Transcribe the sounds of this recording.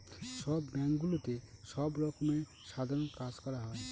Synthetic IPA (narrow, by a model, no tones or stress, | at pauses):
ʃɔbːɛŋkɡulot̪eʃɔbɾɔkomeɾ | sad̪ʱɔɾɔnkad͡zkɔɾaɦɔe